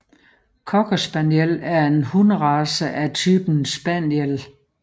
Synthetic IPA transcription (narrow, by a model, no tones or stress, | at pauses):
kʰɒɡ̥ʰosb̥ænjelæɐe̝nhunəʁɑ̈səʔæt͡sʰyːb̥n̩sb̥ænjel